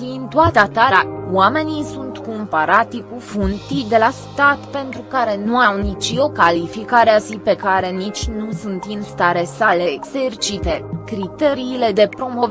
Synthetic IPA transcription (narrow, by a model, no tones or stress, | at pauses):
int̪uat̪at̪aɾawame̞nisunt̪kompaɾat̪ikufunt̪ijd̪e̞last̪at̪pe̞nt̪ɾukaɾe̞nuawnit͡ʃo̞kalifikaɾeasipe̞kaɾe̞nit͡ʃʲnusunt̪inst̪aɾe̞sale̞ːɡz̥ert͡ʃit̪e̞kɾit̪e̞ɾiːle̞d̪e̞pɾo̞mo̞v